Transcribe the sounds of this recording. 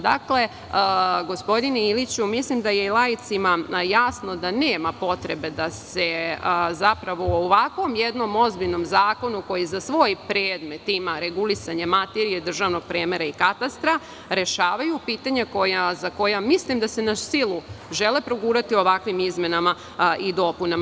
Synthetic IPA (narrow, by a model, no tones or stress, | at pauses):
d̪a̰kle̞ | ɡo̞spo̞d̪ineilit͡ɕumislimd̪ajelajit̪simajasno̞d̪ane̞ːmapo̞t̪ɾe̞be̞d̪asezapɾaʋo̞ooʋakʋo̞mjed̪no̞mo̞zbiʎno̞mzaːko̞nuko̞jizasʋo̞jpɾeːd̪me̞t̪imaɾe̞ɡulisaɲemat̪eɾijed̪r̩ʒaʋno̞ɡ̚pɾeːme̞ɾaikat̪ast̪ɾa | ɾe̞ʃaːʋajupiːt̪aɲako̞jazako̞jamislimd̪ase̞nasilˠuʒe̞le̞pɾoɡuːɾat̪io̞ʋakʋimizme̞nama | ʔid̪o̞punam